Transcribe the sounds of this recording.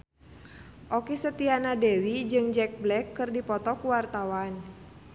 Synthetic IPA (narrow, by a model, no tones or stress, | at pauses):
ʔɔkɛsət̪ianadɛwid͡ʒɨŋd͡ʒɛk̚blɛkːɨrdipɔt̪ɔkuwart̪awan